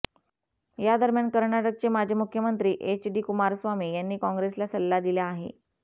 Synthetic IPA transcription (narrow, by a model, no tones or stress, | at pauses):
jad̪əɾmjankəɾɳaʈək̚t͡ɕemad͡ʑʱemukʰjəmənt̪ɾiːʔet͡ɕɖiːkumaɾsʋamiːjanːiːkɔ̃ŋɡɾeslasəlːad̪iljaːɦḛ